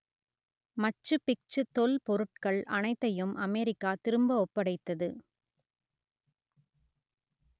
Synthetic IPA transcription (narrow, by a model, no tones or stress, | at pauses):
mɐt͡ʃːɯpɪk̚t͡ʃɯt̪ːɔlpɔɾɯʈ̚kɐɭʔɐnɐɪt̪ːɐjɯmʔɐmɛɾɪkːaːt̪ɪɾɯmbɐɔpːɐɽɐɪt̪ːɐðɯ